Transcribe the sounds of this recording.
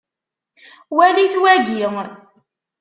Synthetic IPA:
wæliθwæɡiŋ

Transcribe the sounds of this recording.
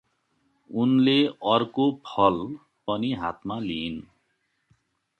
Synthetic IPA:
unleʌrkopʰʌl | pʌniɦa̰t̪malin

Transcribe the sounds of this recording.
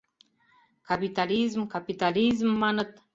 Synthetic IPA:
kɑpit̪ɑlizmkɑpit̪ɑlizmːɑnət̪̚

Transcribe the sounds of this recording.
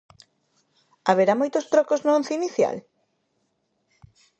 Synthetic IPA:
aβeɾamojt̪ost̪ɾɔkoznoon̟θiniθja̰l

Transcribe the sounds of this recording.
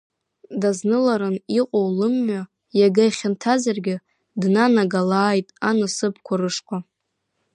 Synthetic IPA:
daznɨlaɾɨniqʼowlɨmːɥa | jaɡajχʲɪntʰazarɡʲɪ | dnanaɡalaːjtʼanasɨpʰkʷʰaɾɨʂqʷʰa

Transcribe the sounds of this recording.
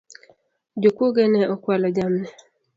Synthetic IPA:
d͡ʒokoɡɛnɛʔɔkwalɔd͡ʒamnɛ

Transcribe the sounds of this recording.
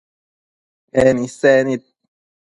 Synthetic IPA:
ɛnisɛnit̪̚

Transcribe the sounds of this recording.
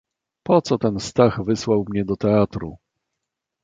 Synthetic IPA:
pɔt̪sɔt̪ɛnst̪aɣvɘswawmɲɛd̪ɔt̪ɛat̪ɾṵ

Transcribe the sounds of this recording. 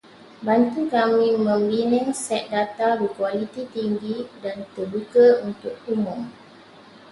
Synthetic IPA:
bant̪ukamĩmə̃mbinɪ̃ŋsɛt̪̚dat̪abəkwalit̪it̪iŋɡidant̪ərbukəunt̪ʊk̚umʊm

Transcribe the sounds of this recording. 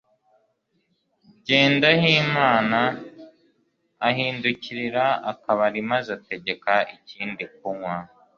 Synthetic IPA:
ɟe̞ːndaɦiːmaːna | ɦiːnduciɾiɾaakaβaɾimazate̞ɟe̞kaʔiciːndik̚uŋwa

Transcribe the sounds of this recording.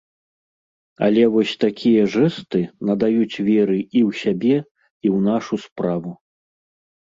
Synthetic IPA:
ɐ̰lʲɛvɔsʲt̪akʲʰijɐʐɛst̪ɨnɐd̪ajut͡sʲvʲɛɾɨiwsʲabʲɛ | iwnaʂuspɾavu

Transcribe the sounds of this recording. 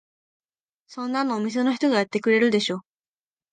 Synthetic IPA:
sõ̞nːanoːmʲis̬e̞no̞çʲi̥t̪o̞ɡajat̪ːe̞kɯ̟ɾe̞ɾɯ̟d̪e̞ɕo̞ː

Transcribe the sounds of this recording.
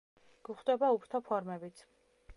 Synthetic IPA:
ɡ̥uχt̪ʼɛbaupʰɾt̪ʰɔpʰɔɾmɛbit̪sʰ

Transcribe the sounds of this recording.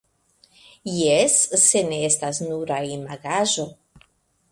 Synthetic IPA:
jesːe̞neestasnuɾaimaɡaʒo̞

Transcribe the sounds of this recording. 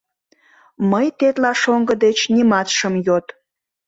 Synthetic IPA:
məjt̪et̪lɑʃoŋɡəd̪et͡ɕnimɑt̪ʃəmjot̪

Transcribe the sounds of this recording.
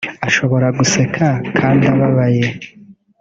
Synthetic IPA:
aʃo̞βo̞ɾaɡuse̞kʰakʰaːndiaβaβaje̞

